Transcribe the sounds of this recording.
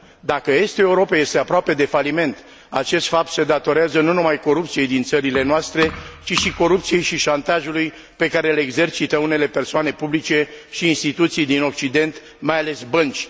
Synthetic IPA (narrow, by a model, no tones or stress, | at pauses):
d̪akəjest̪eeuɾo̞peje̞st̪e̞apɾoape̞d̪e̞falime̞nt̪ | at͡ʃe̞st̪fap̚t̪se̞d̪at̪o̞ɾeazənunumajko̞ɾupt̪sije̞jd̪int̪səɾile̞noast̪ɾe̞t͡ʃiʃiko̞ɾup̚t̪sije̞jʃiʃant̪aʒuluj | pe̞kaɾe̞leeɡze̞rt͡ʃit̪əune̞le̞pe̞rsoane̞publit͡ʃe̞ʃiːnst̪it̪ut̪sijd̪ino̞k̚t͡ʃid̪e̞nt̪ | majale̞sbənt͡ʃʲ